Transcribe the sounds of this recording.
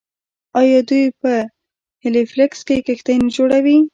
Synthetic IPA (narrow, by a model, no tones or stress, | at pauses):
ɑjɑd̪ujpə | hɪliflɪkskekext̪ajnd͡ʒoɽawi